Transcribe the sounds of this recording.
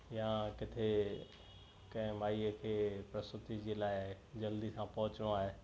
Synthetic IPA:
jãkɪt̪ʰe | kɐ̃ɦɪ̃maːiəkʰeːpɾɐst̪ʊt̪id͡ʑeːlaːɪ | d͡ʑɐld̪isãpɐɦʊt͡ɕñõaːɦeː

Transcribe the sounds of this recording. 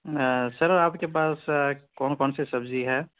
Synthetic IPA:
sɐɾaːpkep̬aːskɔːnkɔːnsesɐbd͡ʒiɦɛː

